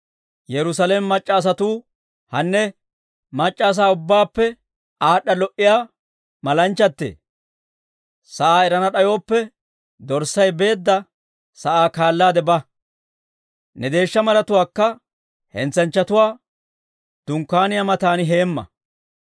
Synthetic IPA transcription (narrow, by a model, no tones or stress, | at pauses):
jɛɾʊs̬ɐleːmɛmɐt͡ʃʼːaːs̬ɐt̪uː | hɐnːɛ | mɐt͡ʃʼːaːs̬aːʊbːaːpːɛ | aːɗːɐlɔʔɪjaː | mɐlɐnt͡ʃːɐt̪ːḛː | sɐʔaːɛɾɐnɐɗɐjo̞ːpːɛ | d̪ɔɾsɐjbe̞ːd̪ːɐ | sɐʔaːkaːlːaːd̪ɛbɐ | nɛd̪e̞ːʃːɐmɐlɐt̪ʊwaːkːɐ | hɛ̰nt͡sːɐnt͡ʃːɐt̪ʊwaː | d̪̥ʊŋkːaːnɪjamɐt̪aːnɪɦeːmːɐ̰